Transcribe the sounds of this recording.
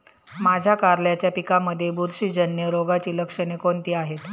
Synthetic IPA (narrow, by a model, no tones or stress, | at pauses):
mad͡ʑʱjakaɾljat͡ɕjapikaməd̪ʱːjebuɾʂiːd͡ʑənjəɾoɡat͡ɕiːləkʂənekont̪iːaɦet̪